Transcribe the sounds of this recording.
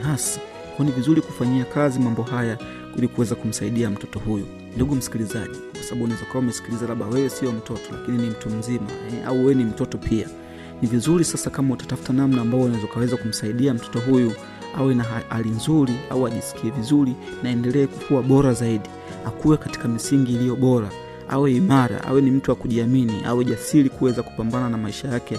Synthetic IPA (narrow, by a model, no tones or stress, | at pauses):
hasi̥ | kɔɔnivizuɾikufaɲiakazimambɔhaja | ilikuwɛzakum̩saiɗiam̩tɔtɔhuju | nduɡum̩si̥kilizaʄikwasaɓaɓunazɔkawaumɛsi̥kilizalaɓa̰wɛsiɔm̩tɔtɔ̥la̰kininim̩tum̩zima̰ɛa̰uwɛnim̩tɔtɔpʰia | nivizuɾisasakamautḁtafu̥tanamnaːmbavɔunaɛzɔkawɛzakum̩saiɗiam̩tɔ̥tɔɦuju | awɛnaa̰linzuɾia̰uaʄisi̥kiɛvizuɾi | naɛndɛlɛːku̥kuwaɓɔɾazaiɗi | akuwɛkati̥kamisiŋɡiːlijɔɓɔɾa | a̰wɛimaɾa̰ʔa̰wɛnim̩tuwakuʄiaminiʔa̰wɛʄasilikuwɛzaku̥pambananamaiʃajakɛ